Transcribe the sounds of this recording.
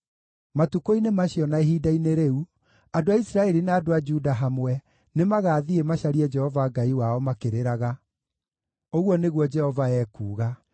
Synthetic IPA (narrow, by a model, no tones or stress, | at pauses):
matukoinemaɕjɔnaeɦiːdaineɾeu | adoaisɾaɛɾinaadoad͡ʒudaɦamwɛ | nemaɣaːðiemaɕaɾiɛd͡ʒɛhɔvaɡaiwaɔmakeɾeɾaɣa | oɣwɔneɣwɔd͡ʒɛhɔvaɛːkṵːɣa